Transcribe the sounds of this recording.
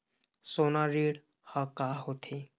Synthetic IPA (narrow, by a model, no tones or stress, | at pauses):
sonaɾiɽ | hakaɦot̪ʰe